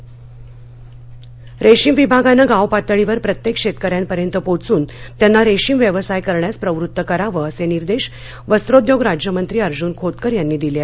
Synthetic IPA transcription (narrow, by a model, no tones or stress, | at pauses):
ɾʔeɕiːmʋibʱaɡanːaɡawpat̪əɭiʋəɾpɾət̪jekʂet̪kəɾjãnpəɾjənt̪əpot͡suːnt̪janːaɾeɕiːmʋjəʋəsajkəɾɳjaspɾəʋɾut̪ːəkəɾaʋəəseniɾd̪eɕ | ʋəst̪ɾod̪joɡɾad͡ʑjəmənt̪ɾiːəɾd͡ʑuːnkʰot̪kəɾjanːiːd̪ile